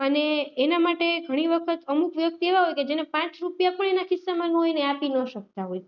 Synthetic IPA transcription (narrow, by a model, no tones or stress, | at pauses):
əneːnamaʈeɡʱəɽ̃iʋəkʰət̪əmukʋjək̚t̪eʋaɦojked͡ʒenepãt͡ʃɾupjapəɳ̃enakɪsːamãnoineapinəʃək̚t̪aɦoj